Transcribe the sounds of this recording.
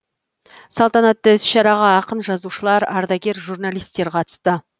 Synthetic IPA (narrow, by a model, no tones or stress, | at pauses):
sɑlˠt̪ɑnɑt̪ːəɪsʃɑɾɑʁɑːqənʒɑzuʃəlˠɑɾɑ̰ɾd̪ɑkʲe̞ɾʒurnalijst̪ːe̞ɾqʰɑt̪ə̥st̪ə